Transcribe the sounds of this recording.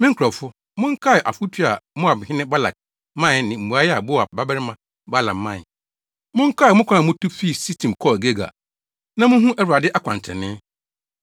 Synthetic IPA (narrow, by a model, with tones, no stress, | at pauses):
mɪ̃˦kʰɾɔ˨fʊ˦ | mʊ̃˦ŋ̩˦kʰa˦˨ʔa˨fʊ˦tʰu˦a˨mʊ̃˦a˨bɪ˨hɪ̃˦nɪ̃˦ba˦la̰˨k̚ | mã˦˨nɪ̃˨m̩˨u˨a˦jɛ˦a˨bʊ˦a˨ba˦bɛ˦ɪ˦mã˨ | ba˦la̰˨mã˦˨ | mʊ̃˦ŋ˦kʰa˦˨mʊ̃˦kʰã˦ã˨mʊ̃˦tʰʊ˦fi˦˨si˦tʰĩ˨mkʰɔ˦˨ɡe˦ɡa̰˨ | nã˦mʊ̃˦ɦũ˦ʔɛ˦wa˨dɪ˦ʔa˦kʰʷã̰˨nʰ˨ɛ̰˨nɪ̃˦